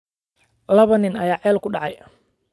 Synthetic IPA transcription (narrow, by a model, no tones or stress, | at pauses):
lɐβɐnɪnɐjaːʕɛːlkʰʊɖɑʕɑj